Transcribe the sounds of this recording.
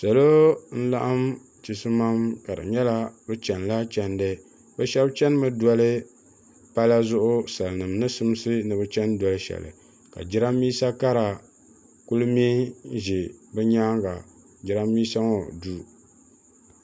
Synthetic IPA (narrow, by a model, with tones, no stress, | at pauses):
sa˨lo˦n̩˦la˦ʔa˦m | t͡ʃi˨sɨ˦ma˦mka˨dɨ̰˨ɲɛ˦la˦bɨ˦t͡ʃɛ˨nla˦t͡ʃɛ˨ndɨ˦ | bɛ˦ʃɛ˦bt͡ʃɛ˦n˦mɨ˦dɔ˦lɨ˦ | pa˦la˦zʊ˦ʔʊ˦sa˨lnɨ˨mnɨ˦sɨ˦m˦sɨ˦nɨ˨bɨ˦t͡ʃɛ˦ndɔ˨lɨ˦ʃɛ̰˨lɨ̰˨ | ka̰˨d͡ʒɪ˦ɾa˦mːiː˦sa˦ka˦ɾa˨ | ku˦lɨ˦mi˦ʒi˨bɨ˦ɲaː˦ŋɡa˨ | d͡ʒɪ˦ɾa˦mːiː˦sa˦ŋɔ˨du˦